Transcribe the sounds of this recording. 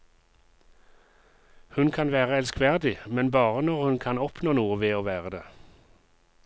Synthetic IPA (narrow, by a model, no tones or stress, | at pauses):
hʉnkʰɑnʋæːʁəɛlskʋæʁd̪ɪmɛnbɑːʁənɔʁhʉnkʰɑnɔpnoːnuːəʋeːoːʋæːʁəd̪eː